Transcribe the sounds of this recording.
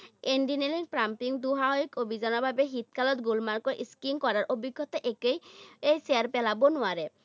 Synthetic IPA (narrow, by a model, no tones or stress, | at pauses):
enɖinelinpɹampiŋd̪uɦaɦɔikobʱizanɔbʱabeɦit̪kalɔt̪̚ɡulmaɹkɔɹʔiskinkɔɾaɹʔobiɡʱːɔt̪ɔʔekejejseaɾpɛlabɔnʊaɾɛ